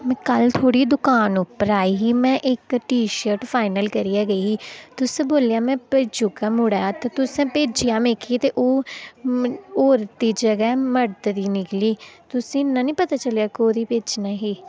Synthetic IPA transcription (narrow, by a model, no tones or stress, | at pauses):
mɛ̃ːkəlt̪ʰoːɽiːd̪ʊkaːnʊpəɾaːiːɦiːmɛ̃ːʔɪkʈiːʃəɾʈpʰaːɪnəlkəɾiːaːɡəiːiːt̪ʊsẽːboːljaːmɛ̃ːped͡ʒʊkãːmʊɽaːjaːt̪ãːt̪ʊsẽːpeːd͡ʒijãːmeːkʰiːt̪eːʔoː | oːɾt̪iːd͡ʒəɡɛːməɾt̪d̪iːnɪkliːt̪ʊsĩːnːãːnĩːpət̪aːt͡ʃəlejaːkoːɾiːpeːd͡ʒnãːɦiː